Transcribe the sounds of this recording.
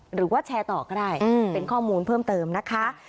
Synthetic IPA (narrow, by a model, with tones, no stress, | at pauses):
ɾɯː˩˦waː˥˩t͡ɕʰɛː˧t̪ɔː˨˩kɔː˥˩daː˥˩jpe˧nkʰɔː˥˩muː˧npʰɤː˥˩mt̪ɤː˧mna˦˥kʰa˦˥